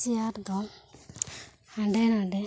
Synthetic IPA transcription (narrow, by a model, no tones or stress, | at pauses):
iaɾd̪ɔ | haɖɛnaɖɛ